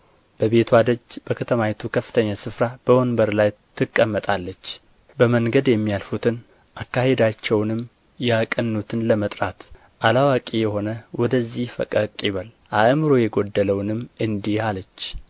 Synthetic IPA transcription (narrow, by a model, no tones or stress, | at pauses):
b̥əβe̞t̪ʰwad̪əd͡ʒb̥əkʰət̪ʰəmajɛt̪ʰukʰəfːɨ̥t̪ʰəɲːasɨfɾab̥əwonbəɾlajt̪ʰɨkʼːəmːət̪ʼalːət͡ʃː | bəməŋɡəd̪jɛmːijalfut̪ʰɨn | ʔakːahe̞d̪at͡ʃːɛwnɨm | jakʼənːut̪ʰɨnləmət̪ʼɾat̪ | ʔalawakʼijɛho̞nəwɔd̪əzːihfə̰kʼəkʼːiβəl | ʔaʔmɾojɛɡo̞d̪ːələwnɨmɨnd̪ialət͡ʃː